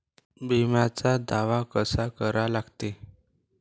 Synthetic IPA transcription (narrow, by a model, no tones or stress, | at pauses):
bimjat͡sad̪aʋakəsakəɾalaɡt̪e